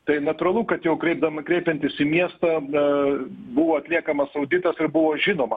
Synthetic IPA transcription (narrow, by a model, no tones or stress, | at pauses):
t̪ɐɪnɐt̪ʊɾɐlˠʊkɐt̪jɛʊkɾʲɛɪb̚d̪ɐmɐkɾʲɛɪpʲɛnʲt̪ʲɪsɪmʲiɛst̪ɐ | bʊʋoːɐt̪ʲlʲiɛkɐmɐsɐʊd̪ʲɪt̪ɐsɪɾbʊʋoːʒʲɪnoːmɐ